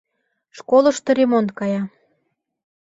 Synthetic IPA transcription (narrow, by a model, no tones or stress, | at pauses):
ʃkolə̆ʃt̪ŏɾemont̪̚kɑjɑ